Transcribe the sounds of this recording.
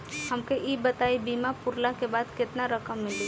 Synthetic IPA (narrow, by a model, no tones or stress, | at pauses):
hɐmkeʔiːbət̪aːibiːmapʊɾlakebaːd̪kɪt̪naɾəkəmːɪli